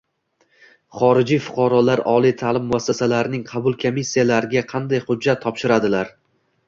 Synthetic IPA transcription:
χɒɾɪd͡ʒijfʊ̥qʰɑɾɒlaɾɒlˠijt̪ʰaːlɪmːʊasːasalaɾɪnɪŋqʰɑbʊlˠkʰomisːijalaɾɪɡʲaqʰɑnd̪ajχʊd͡ʒːat̪ʰːɒpʃɪɾad̪ɪlaɾ

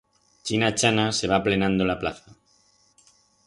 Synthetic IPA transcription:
t͡ʃinat͡ʃanase̞β̞aple̞nãnd̪o̞laplaθa

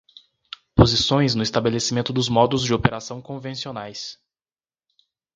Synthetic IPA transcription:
pozisõj̃znʊɪst̪abelesimẽnt̪ʊd̪ʊzmɔd̪ʊzd͡ʒɪopeɾasɐ̃w̃kõvẽsionajs

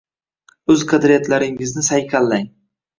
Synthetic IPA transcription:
ɵzqʰad̪ɾjat̪ʰlaɾɪŋɪznɪsajkʲʰalːaŋ

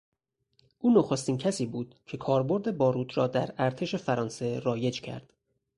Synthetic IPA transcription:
ʔuːnoxo̞st̪iːncʰæsiːbuːd̪̥cʰe̞kʰɒːɾbo̞ɾd̪e̞bɒːɾuːt̪ʰɾɒːd̪æɾæɾt̪ʰe̞ʃe̞fæɾɒːnse̞ɾɒːje̞d͡ʒcʰæ̰ɾd̪̥

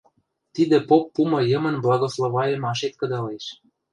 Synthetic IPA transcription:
t̪id̪ĕpopːumɤ̆jəmə̆nblɑɣoslˠovɑjəmɑʃet̪̚kɤ̆d̪ɑleʃ

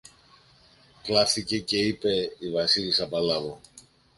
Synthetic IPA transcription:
klɐfθice̞ce̞ipe̞ivɐsilisɐpɐlɐvo

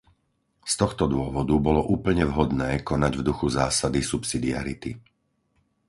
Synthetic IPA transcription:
st̪ɔxt̪ɔd̪ʊɔʋɔd̪ubɔlɔʔuːpl̩ɲɛʋɦɔd̪nɛːkɔnaɟvd̪uxuzaːsad̪isupsid̪ia̰ɾit̪i

